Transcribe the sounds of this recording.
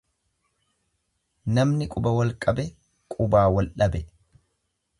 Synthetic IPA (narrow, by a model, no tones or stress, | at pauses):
nɐmnɪkʼʊbɐwɐlkʼɐbɛ | kʼʊbaːwɐlʔɐbɛ